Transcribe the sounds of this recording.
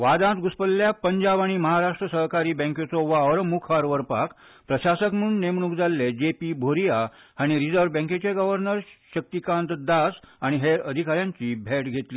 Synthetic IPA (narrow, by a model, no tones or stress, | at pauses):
ʋad̪ãt̪ɡuspəlːjapəɲd͡ʑaʋaɽ̃iməɦaɾaʂʈɾəsəɦkaɾiːbɛ̃ŋkjet͡sɔʋaɾəmukʰaɾʋəɾpa̰k | pɾəɕasəkmuːɳnemɳukd͡zalːed͡ʑepiːbʱoɾijaaɽ̃iɾid͡zəɾʋbɛ̃ŋket͡ɕeɡəʋəɾnəɾɕək̚t̪ikãnt̪d̪asaɽ̃iɦeəd̪ʱikaɾjãɲt͡ɕiːbʱeʈɡʱet̪liː